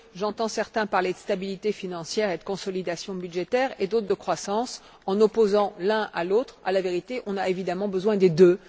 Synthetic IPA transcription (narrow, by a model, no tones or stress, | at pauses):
ʒɑ̃t̪ɑ̃sɛʁt̪ɛ̃paʁled̪əst̪abilit̪efinɑ̃sjɛʁed̪əkɔ̃sɔlid̪asjɔ̃byd̪ʒet̪ɛːʁed̪ot̪χd̪əkχwasɑ̃s | ɑ̃nɔpozɑ̃lɛ̃ʔa̰lot̪χa̰laveʁit̪eʔɔ̃naevid̪amɑ̃bəzwɛ̃d̪ed̪ø